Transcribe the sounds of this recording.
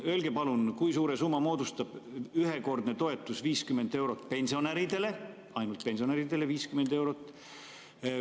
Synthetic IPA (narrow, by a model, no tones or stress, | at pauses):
ølɡe̞pɑlunkujsuːɾe̞sumːɑmo̞ːd̪ust̪ɑb̥yɦe̞ko̞rd̪ne̞t̪o̞e̞t̪ːˑusviːskymːe̞nd̪e̞wɾo̞t̪ːˑpe̞nʲsio̞næɾid̪e̞le̞ | ɑjnult̪̚pe̞nsio̞neɾid̪̥e̞le̞viːskymend̪e̞wɾo̞t̪ːˑ